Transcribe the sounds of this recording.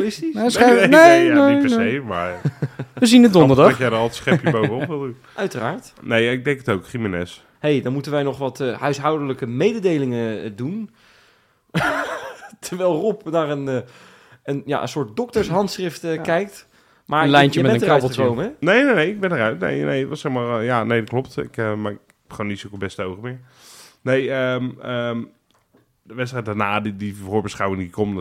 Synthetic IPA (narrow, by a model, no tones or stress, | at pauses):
lɪstisneesejma̰ɹʋəzinədɔnndəɹdɑjɛjdɔətsχɛpjəbowvənɔpʋɪlˠdun | ʔœɥtəraːɹt | nejaɪɡ̚dɛŋkətowkχriminɛ̰s | hejdɔnmutənʋɛjnɔχʋɑthœɥsɦɑwdələkəmejdədejlɪŋədun | tʰəɹʋɛlˠrɔpnaːrən | ənja̰ʔə̰̃nsʊːɹt̚dɔk̚təɹsɦɑntsχrɪftəkɛjk̚t | maːɹlɛjnəmmɛəœtəkowməɛnejnenejɪɡ̚bɛnərœɥtnḛjnḛjətʋɑsɛχmaːɹjanejdɑt̚klɔptɪ̰kəmaɪk | ɛpχonːitsokəbɛstəowχəmɪːɹ | nejəmə | dəʋɛtstrɛjtdanaːdidivoːɹbəsχawɪŋdikɔm